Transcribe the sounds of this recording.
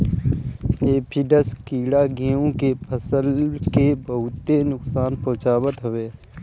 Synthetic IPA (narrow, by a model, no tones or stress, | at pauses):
eːpʰiɖəskiːɽaɡiõkepʰəsəlkebəɦʊt̪ːenʊksaːnpɔ̃ːt͡ʃaːbət̪ɦʊʋeː